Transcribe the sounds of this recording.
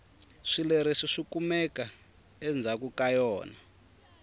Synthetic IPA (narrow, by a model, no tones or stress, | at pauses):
ʂileɾiʂiʂikumɛka | ɛnd͡zʱakukajɔːna